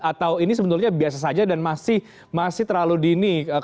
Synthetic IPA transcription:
at̪awinis̬əbənʊrɲabias̬as̬ad͡ʒadanmasɪh | masɪht̪ərlaludiniə

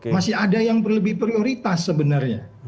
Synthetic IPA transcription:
masɪɦadajaŋpərləbɪhpɾioɾit̪asːəbənarɲa̰

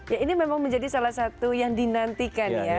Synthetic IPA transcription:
jainimemaŋməɲd͡ʒadisalahsat̪ujaŋdinant̪ikanja

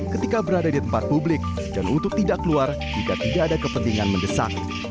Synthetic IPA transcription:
kət̪ikabəɾadadit̪əmpat̪̚publɪk̚ | danṵnt̪ʊk̚t̪idakəluar | d͡ʒikat̪idaʔːdakəpənt̪iŋanməndəsa̰k̚

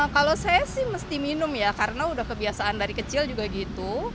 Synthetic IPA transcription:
kalosajasɪhməst̪iminʊmjakaɾənaudahkəbiasaandaɾikət͡ʃɪld͡ʒuɡaɡit̪u

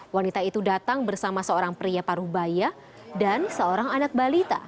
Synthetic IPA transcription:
wanit̪ait̪udat̪aŋbərsamasəoɾaŋpɾiapaɾubaja | dansəoɾaŋanak̚balit̪a̰

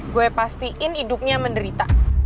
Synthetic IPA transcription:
ɡuɛpast̪iʔɪnidʊp̚ɲaməndəɾit̪a

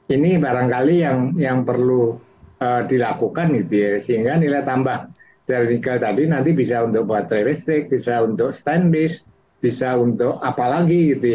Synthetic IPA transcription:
inibaɾaŋkalijaŋjaŋpərlu | əːdilakukanɡit̪ujasəɦiŋɡanilaht̪ambah | d̥aɾinikalt̪adinant̪ibisaunt̪ʊk̚baɦat̪ːɾelɛst̪ɾɪk̚b̥isaunt̪ʊkst̪ɛnlɪs | b̥isaunt̪ʊkapalaɡiɡit̪uj

